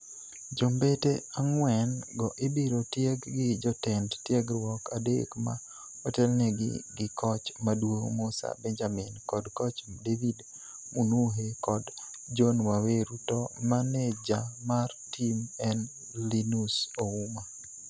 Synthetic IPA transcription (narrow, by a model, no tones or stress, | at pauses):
d͡ʒombeteaŋwɛnɡɔʔɪbiɾotjeɡːɪd͡ʒɔtɛndtjɛɡɾwɔkadḛkma̰ | ɔtɛlnɛɡɪ̰ɡɪkɔt͡ʃmadwoŋmusa̰bɛnd͡ʒaminkɔdkɔt͡ʃdevid | munuɦekɔd | d͡ʒɔnwaweɾutɔmanɛd͡ʒamartimɛn | linusouma